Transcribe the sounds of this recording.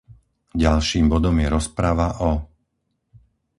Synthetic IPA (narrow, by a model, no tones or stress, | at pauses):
ɟalʃiːmbɔd̪ɔmjɛɾɔspɾaʋaʔɔ